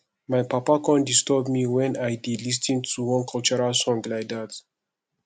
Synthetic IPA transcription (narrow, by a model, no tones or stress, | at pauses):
majpapakɔ̃ndistɔbmiwɛ̃najdidlis̬tĩŋtʰuwɔ̃nkʰɔlt͡ʃɔɹasɔ̃ŋɡlajdat